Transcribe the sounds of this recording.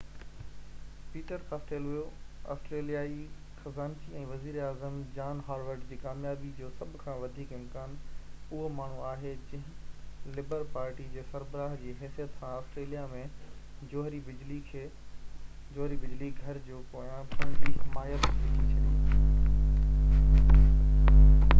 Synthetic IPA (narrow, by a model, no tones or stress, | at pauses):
piːʈəɾkaːsʈeːlʋijoa̰ːsʈɾeːlijaːi | xɐzaːnt͡ɕiɛ̃ːʋɐziːɾaːzəmd͡ʑaːnɦaːɽʋəɾɖd͡ʑiːkaːmjaːbid͡ʑoːsɐbʱʊkʰãːʋɐd̪ʱiːkɪ̃mkaːnʊɦomaːɳ̤uaːɦed͡ʑɐ̃ɦɪ̃lɪbəɾpaːɾʈid͡ʑeːsɐɾbəɾaːɦd͡ʑiːɦɛːsijət̪sãaːsʈɾeːlijamẽd͡ʑoːɦɾibɪd͡ʑlikʰeː | d͡ʑoːɦɾibɪd͡ʑliɡʱɐɾd͡ʑoːkoːjãpɐ̃ɪmaːjət̪ikʰit͡ɕʰɐd̪iː